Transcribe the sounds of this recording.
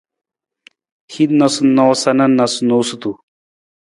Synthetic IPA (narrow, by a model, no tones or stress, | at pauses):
hid̪nɐsnosɐnɐnɐsnoːsut̪u